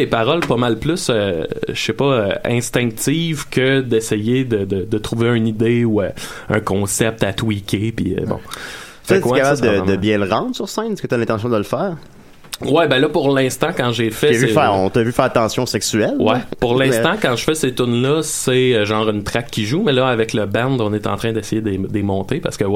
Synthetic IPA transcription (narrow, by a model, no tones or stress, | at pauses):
epaʁɔlpʌmalplʏsøʃepʌøɛ̰̃st̪ɛ̃k̚t̪iːvkʰʲəd̪ɛsɛjed̪əd̪əd̪ət̪ʁuveœ̃nid̪eu | œ̰̃kɔ̃sɛp̚t̪at̪wikʰʲepiə̰bɔ̰̃ | fɛkwaɛkapabd̪əəbjɛ̃ləʁɑ̃d̪ʁsyʁsɛ̃ɪnɛskət̪yalɛ̃t̪ɑ̃sjɔ̃d̪əlfæːʁ | wɛbɛ̃lʌpʊʁlɛ̃st̪ãkɑ̃ʒefɛvyfɛːʁɔ̃t̪avyfɛːʁat̪ɑ̃sjɔ̃sɛksyɛlwɛpʊʁlɛ̃st̪ãkɑ̃ʒəfɛset̪ʊnlʌseəʒɑ̃ːʁynt̪ʁakʰʲːiʒumɛlʌavɛkləbɛ̃nd̪ɔ̃net̪ɑ̰̃ːt̪ʁɛ̃d̪ɛsɛjed̪ed̪emɔ̃t̪epa̰ʁsə̥kəwɛ